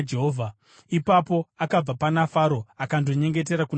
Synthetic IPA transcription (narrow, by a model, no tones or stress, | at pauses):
d͡ʒeɦovʱa | ipapo̞akab͡vapanafaɾo̞akandoɲe̞ŋɡe̞t̬e̞ɾakun